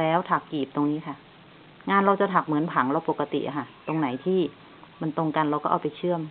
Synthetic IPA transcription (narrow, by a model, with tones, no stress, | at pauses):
lɛː˦˥wt̪ʰa˨˩kːiː˨˩p̚t̪o˧ŋniː˦˥kʰa˥˩ | ŋaː˧nɾa˧wt͡ɕa˨˩t̪ʰa˨˩k̚mɯ˩˦ənpʰa˩˦ŋɾa˧wpo˨˩kːa˧t̪ḭ˨˩ʔa̰˨˩kʰa˧˩t̪o˧ŋna˩˦jt̪ʰiː˥˩ | ma˧nt̪o˧ŋka˧nɾa˧wkɔː˥˩ʔa˨˩pa˧jt͡ɕʰɯ˥˩əm